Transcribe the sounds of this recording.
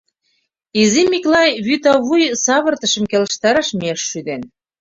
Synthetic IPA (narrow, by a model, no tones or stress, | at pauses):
izimiklɑjβyt̪ɑβujsɑβərt̪ə̆ʃə̆mkeləʃt̪ɑɾɑʃmieʃːyd̪en